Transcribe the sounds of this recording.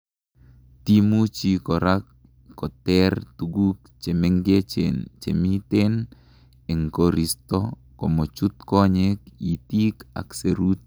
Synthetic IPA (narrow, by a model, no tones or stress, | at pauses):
t̪imut͡ʃikɔɾakː | ɔt̪ɛrt̪uɡuk̚ | t͡ʃɛmɛŋɡet͡ʃnt͡ʃɛmit̪ɛn | ɛŋkɔɾist̪ɔ | kɔmot͡ʃut̪̚kɔɲɛk̚it̪ika̰kseɾut̪̚